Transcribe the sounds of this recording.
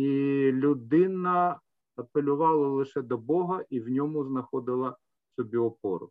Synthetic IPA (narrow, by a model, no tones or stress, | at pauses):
ilʲʊd̪ɪnɐ | ɐpelʲʊʋɑlˠɐlˠɪʃɛd̪ɔbɔɦɐʔiwnʲɔmʊznɐxɔd̪ɪlˠɐ | sɔbʲiɔpɔ̰ɾʊ̰